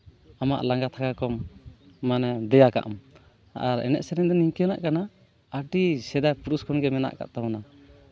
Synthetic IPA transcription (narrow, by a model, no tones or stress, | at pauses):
amaʔlaŋɡat̪ʰakakɔmː | anɛd̪ɛjaka̰ʔum | a̰ɾɛ̰nɛ̰ʔsɛɾɛnd̪ɔniɲkɛnaʔkana | aʈisɛd̪ajpuɾuskʰɔnɡɛmɛna̰ʔka̰ʔ̚t̪amɔna